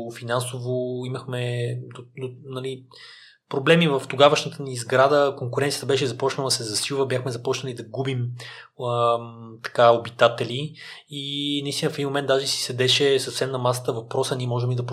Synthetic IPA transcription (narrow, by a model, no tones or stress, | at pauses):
finansovoiməxmɛd̪od̪onɐli | pɾoblɛmivəft̪oɡavəʃnət̪ənizɡɾad̪əkoŋkʊɾɛnt̪sʲjə̥t̪əbɛʃ̬ɛzɐpɔt͡ʃnəlˠd̪ɐsɛzɐsilˠvəbʲjaxmɛzɐpɔt͡ʃnəlid̪ɐɡubim | t̪ɐ̥kaobit̪at̪ɛliinɐist̪inəfɛd̪imomɛnt̪d̪aʒɛsi̥sɛd̪ɛʃɛsəfsɛmnɐmasə̥t̪əvɐpɾɔsəniɛmɔʒɛmːid̪ɐp